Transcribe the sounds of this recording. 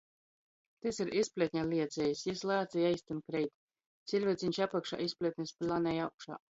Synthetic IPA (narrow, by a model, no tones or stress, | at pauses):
t̪esiɾʔispʲlʲet̪̚ʲɲʲalʲiɛd̪zʲɛjisjislˠaːt̪zijajst̪inkɾɛjt̪ | t̪sʲilʲvʲɛt̪sʲiɲʲt͡ʃapakʃa̰ːʔispʲlʲet̪ʲnʲispʲlʲanʲɛjawkʃa̰ː